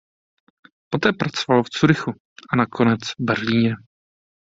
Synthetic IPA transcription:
pot̪ɛːpɾat͡sovalft͡suɾɪxu | ʔanakʰo̞nɛt͡svbɛɾliːɲɛ

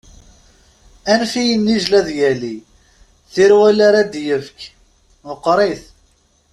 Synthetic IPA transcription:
ænfijənːiʒlæðjæli | θiɾwælaɾad̪jəvk | məqːɾˤeθ

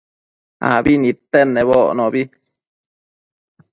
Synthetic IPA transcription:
a̰binĩt̪enːẽβoʔnɔ̃bi

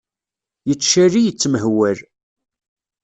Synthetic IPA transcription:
jət͡sːʃærijət͡sːməɦwæl

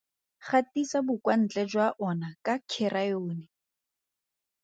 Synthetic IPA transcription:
χatisabʊkʼwan̩t͡ɬʼɛd͡ʒwaʔɔnakʼakʰɪrajoːnɪ

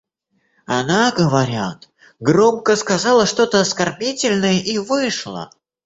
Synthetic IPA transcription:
ɐnaɡəvɐɾʲat̪ | ɡɾomkəskɐzɑlˠəʂt̪o̞t̪əɐskɐrbʲitʲɪlʲnəjəʔivɨʂlˠə̰

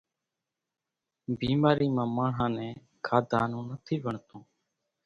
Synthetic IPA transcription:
biːmaːɾiːmãːmãːɳ̤ãːnɛ̃ː | kʰaːd̪ʱaːnũːnət̪ʰiːʋəɳt̪õː

